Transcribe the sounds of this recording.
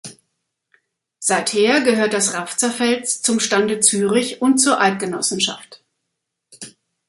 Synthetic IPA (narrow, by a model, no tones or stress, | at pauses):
z̥aɪtheːɐɡəhøːɐt̚d̥asʁaft͡sɐfɛlt͡st͡sʊmʃtandət͡syːʁɪçʊnt̚t͡suːɐʔalt̚ɡ̥ənɔsn̩ʃa̰ft